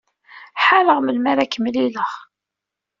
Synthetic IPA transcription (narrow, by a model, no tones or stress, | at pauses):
ħaləʁməlmæɾækəmliləʁ